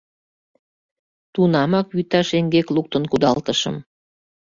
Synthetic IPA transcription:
t̪unɑmɑkβyt̪ɑʃeŋɡekluk̚t̪ə̆nkud̪ɑlt̪əʃə̰m

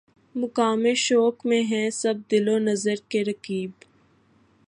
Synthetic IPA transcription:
mʊkaːmeʃɔːkmẽɦɛ̃sɐb̚d̪ɪlonɐzəɾkeɾɐkiːb

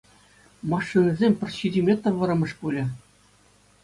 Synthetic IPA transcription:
mɑʂːɯnʲɤ̆zʲemʲpʲɘ̆rʲɕidʲimʲet̪ɤ̆rʋɤ̆ɾɤ̆mɤ̆ʂpulʲɘ̆

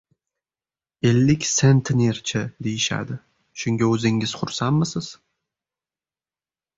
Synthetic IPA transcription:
elːɪkʲsent̪ʰnʲeɾt͡ʃʰɪd̪e̞jɪʃa̰d̪ɪ | ʃʊŋɡʲaɵzɪŋɪz̥χʊɾsanmɪsɪz̥

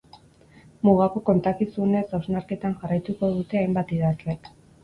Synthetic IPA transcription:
muɣako̞ko̞nt̪akisuene̞sawznaɾke̞t̪anʝarajt̪uko̞ðut̪e̞ajmbat̪iðazle̞k

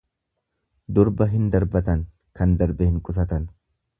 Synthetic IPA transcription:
d̪ʊɾbɐɦɪnd̪ɐɾbɐt̪ɐŋ | kɐnd̪ɐɾbɛhɪŋkʼʊs̬ɐt̪ɐn

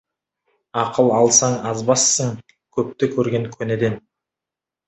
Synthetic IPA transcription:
ɑqəlˠɑlˠsɑɴɑzbɑsːəŋ | kʲʰɵp̚t̪ɪkʲʰɵɾɡʲe̞ŋkʲʰɵned̪e̞n

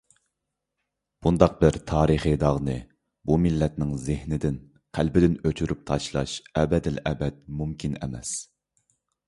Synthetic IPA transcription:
b̥und̪ɑq̚bɪɾt̪ʰɑːɾɨχɨd̪ɑʁnɨ | bumɪlːɛt̪̚nɪŋzɪhnɪd̪ɪn | qʰælbɪd̪ɪnøt͡ʃʰyɾyp̚t̪ʰɑʃlˠɑʃɛbɛd̪ɪlʔɛbɛt̪̚mumkʲʰinɛ̰mɛs

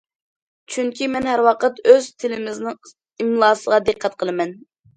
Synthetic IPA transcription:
t͡ʃʰyŋkʲimɛnhæɾwɑqʰət̪øz̥t̪ʰɪlɪmɪznɪŋ | imlˠɑːsəʁɑd̪ɨqʰːɛt̪̚qʰəlˠɨmɛn

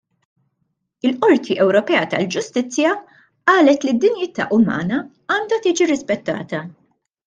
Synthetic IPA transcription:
ɪlʔɔɾt̪ʰiʔɛwɾɔpɛːɐt̪ɐ̰ld͡ʒʊst̪ɪt͡sːjɐ | ʔɐːlɛt̪lid̪ːɪnjɪːt̪ːɐ̰ʔʊmɐ̰ːnɐ | ɐːnd̪ɐt̪iːd͡ʒiɾɪspɛt̪ːɐ̰ːt̪ɐ

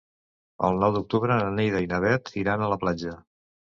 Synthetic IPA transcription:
ə̰lˠnɔwd̪uk̚t̪uβɾəənejðəjnəβɛt̪iɾanələplad͡ʒə

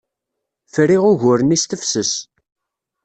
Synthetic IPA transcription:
fəɾiʁʊʝʊɾənist̪əfsəs

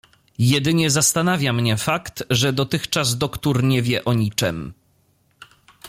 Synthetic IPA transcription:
jɛd̪ɘɲɛzast̪anavʲjamɲɛfakt̪ʐɛd̪ɔt̪ɘxt͡ʂazd̪ɔkt̪uɾɲɛvʲjɛʔɔɲit͡ʂɛ̰m

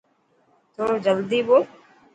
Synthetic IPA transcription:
t̪õːd͡ʒəld̪iːboː

